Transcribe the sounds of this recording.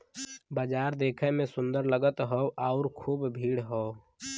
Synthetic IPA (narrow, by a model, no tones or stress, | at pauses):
baːd͡ʒaːɾd̪eːkʰɛmẽsʊ̃nd̪əɾləɡət̪ɦɔʔaʊɾkʰuːbbʱiːɽɦoː